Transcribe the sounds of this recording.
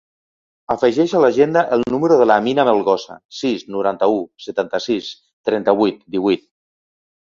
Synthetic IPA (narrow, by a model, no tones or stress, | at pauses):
afəʒɛʃalaʒend̪aʔəlˠnuməɾoðəlaːminamelˠɣɔsa̰siznuɾant̪ausət̪ant̪əsis | t̪ɾɛnt̪əβut̪d̪iβit̪̚